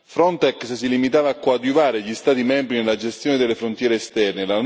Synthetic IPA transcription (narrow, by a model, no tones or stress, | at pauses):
fɾɔnt̪ɛkssilimit̪aːvaːkːwad̪uvaːɾeʎist̪aːt̪imɛmbɾinelːad͡ʒest̪joːned̪elːefɾont̪jɛːɾeːst̪ɛrnelan